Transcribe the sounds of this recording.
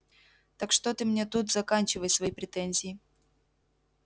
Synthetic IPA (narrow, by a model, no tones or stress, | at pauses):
t̪akʂt̪ot̪ɨmnʲet̪ut̪zɐkanʲt͡ɕɪvəjsvɐjipɾʲɪt̪ɛnʲzʲɪː